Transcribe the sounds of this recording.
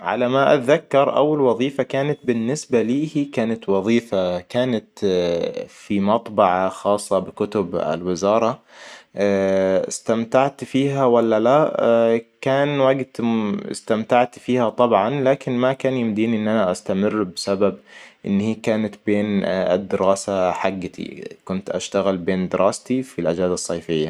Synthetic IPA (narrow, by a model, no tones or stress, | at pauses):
ʕa̰lamaʔa̰t̪ðakːɑɾˤʔa̰wɪlwɑðˤiːfakaːnat̪̚bɪnːɪsbaliːhiːkaːnat̪wɑðˤiːfakaːnat̪ | fimɑt̪ˤbɑʕaxɑːsˤːɑbɪkʊt̪ʊba̰lwɪzɑːɾˤɑ | ɪst̪amt̪aʕt̪fiːɦawalːala | kaːnwaɡt̪st̪amt̪aʕt̪fiːhat̪ˤɑbʕɑnlaːkɪnmakaːnjɪmd̪iːniʔɪnːʔanaʔast̪amɪrːbɪsababʔɪ̰nːhiːkaːnat̪beːnɪ̰d̪ːɪɾɑːsaħaɡːɪt̪ḭkʊnt̪ʔaʃt̪aɣɪlbeːnd̪ɪɾʔɑːst̪ifilʔad͡ʒaːd̪ɑsˤːɑːfɪjːa